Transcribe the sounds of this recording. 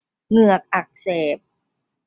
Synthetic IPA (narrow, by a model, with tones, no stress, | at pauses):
ŋɯ˨˩ɐk̚ʔa˨˩k̚seː˨˩p̚